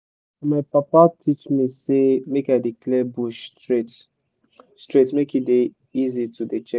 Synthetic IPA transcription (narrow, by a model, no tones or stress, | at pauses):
amaɪpapatʰit͡ʃmisemekaɪdiklɛbuʃtɹet | stɹetmekide | izitudet͡ʃɛ